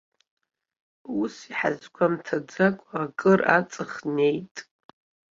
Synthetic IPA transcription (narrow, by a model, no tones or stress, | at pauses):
usiħa̰zkʷʰamtʰad͡zakʷʼakʼɨra̰t͡sʼɨχne̞jtʼ